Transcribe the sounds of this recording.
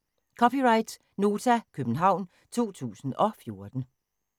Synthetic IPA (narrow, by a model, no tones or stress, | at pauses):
kʰɒ̽pʰiʁɑ̈ɪd̥ | no̝ːt͡sʰækʰøb̥n̩ɦɑ̈ʊ̰n | t͡sʰo̝̰ːt͡sʰṵːsn̩ɒ̽fjo̝ɐd̥n̩